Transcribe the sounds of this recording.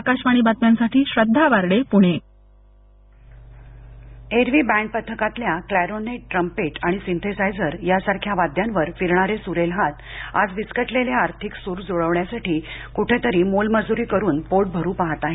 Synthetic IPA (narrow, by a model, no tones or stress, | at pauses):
akaɕmaɽ̃iːbat̪mjansaʈʰiːɕɾəd̪ʱːaʋaɾɽepuɽ̃e | eɾʋiːbæ̃ɳɖ̚pət̪ʰːəkat̪ljaklæɾoneʈɾəmpeʈaɽ̃isint̪ʰesajd͡zəɾjasaɾkʰjaʋad̪ʱjanʋəɾfiɾɳ̃aɾesuɾelɦat̪a̰d͡zʋiskəʈleljaaɾt̪ʰiksuːɾd͡zoɭəʋɳjasaʈiːkuʈʰet̪əɾiːmolməd͡zuɾiːkəɾuːnpoʈ̚bʱəɾuːpaɦat̪aɦe